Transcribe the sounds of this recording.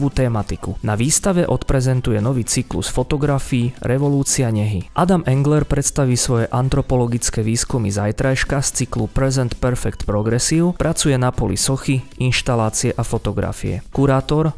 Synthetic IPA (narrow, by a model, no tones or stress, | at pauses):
ʋuːt̪ɛːmat̪ikunaʋiːst̪aʋɛʔɔt̪pɾɛzɛnt̪ujɛnɔʋiːt͡siklṵsfɔt̪ɔɡɾafiːɾʔɛʋɔluːt͡siaɲɛɦiʔad̪amɛŋɡlɛɾpɾɛt̪st̪aʋiːsʋɔjɛʔant̪ɾɔpɔlɔɡit͡skɛʋiːskumizajt̪ɾajʃkast͡siklupɾɛzɛnt̪pɛɾfɛkt̪pɾɔɡɾɛsiːʊpɾʔat͡sujɛnapɔlḭsɔxiinʃt̪alaːt͡siɛʔafɔt̪ɔɡɾa̰fḭɛ̰kuɾaːt̪ɔɾ